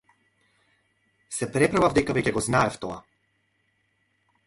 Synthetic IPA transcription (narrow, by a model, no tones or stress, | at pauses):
sɛpɾɛpɾavavd̪ɛkavɛcɛɡɔznaɛft̪ɔa